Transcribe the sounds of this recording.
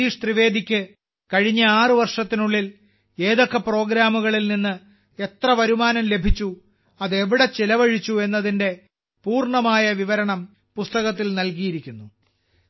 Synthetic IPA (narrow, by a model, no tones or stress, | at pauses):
iːʂt̪riʋe̞ːd̪ʱikʲːɨ | kɐɻiɲːɐaːrɨʋɐrʂɐt̪ːinuɭːil | e̞ːðo̞kːɐpro̞ːɡɾaːmuɣɐɭilninːɨ | e̞t̪rɐʋɐɾumaːnɐmle̞bʱit͡ɕːu | ɐðe̞ʋiɽet͡ɕilɐʋɐɻit͡ɕːue̞nːɐðinde̞ | puːrɳɐmaːjɐʋiʋɐɾɐɳɐm | pust̪ɐɣɐt̪̬ːilnɐlkijiɾikʲːunːu